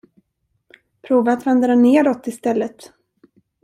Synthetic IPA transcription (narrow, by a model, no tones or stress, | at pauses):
pʰɾuːvaːt̪vɛnd̪əɾɛnːeːɾɔt̪ːɪst̪ɛlːət̪